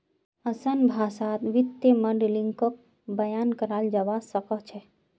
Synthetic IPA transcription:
əsənbʱasat̪ʋit̪ːeməɖeliŋɡkək̚ | bəjankəɾald͡ʒaʋasəkət͡ʃʰɛ

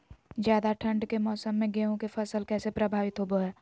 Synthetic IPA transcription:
zjaːd̪aʈʰə̃ɳɖkemɔːsəmːẽɡeːõkefɐsəlkɛːsepɾɐbʱaːʋɪt̪ɦoboɦɛː

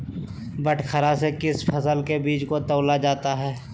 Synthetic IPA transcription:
bəʈkʰəɾasekɪspʰɐsəlkebiːt͡ʃkot̪əːlad͡ʒaːt̪aɦɛː

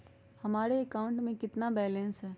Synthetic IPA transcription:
hɐmaːɾeːkaːʊ̃ɳʈmẽkɪt̪nabɛːlə̃nsɦɛː

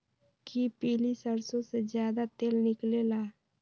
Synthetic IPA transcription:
kipiːlisəɾsõsed͡ʒjaːd̪at̪eːlnɪkleːlaː

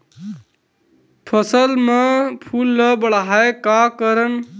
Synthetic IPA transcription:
pʰəsəlmepʰulːəbəɽɦaekakəɾən

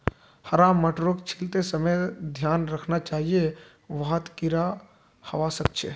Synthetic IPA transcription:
həɾamːəʈɾokt͡ʃʰɪlt̪esəməjd̪ʱjaːnɾəkʰnat͡ʃaːɦije | ʋaɦət̪kɪɾa | hɐʋasək̚t͡ʃʰḛ

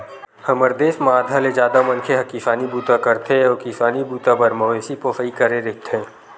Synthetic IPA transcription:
həməɾd̪eːsmaːd̪ʱaled͡ʒjaːd̪amɐ̃nkʰeɦɐkifaːnibuːt̪akəɾt̪ʰeɔkisaːnibuːt̪abəɾmɐʋeːsipoːfəikəɾeɾek̚t̪ʰẽː

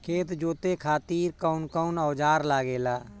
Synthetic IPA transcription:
kʰeːt̪d͡ʒoːt̪ekʰaːt̪iːɾkəʊnkəʊnɔːd͡ʒaːɾlaːɡeːlaː

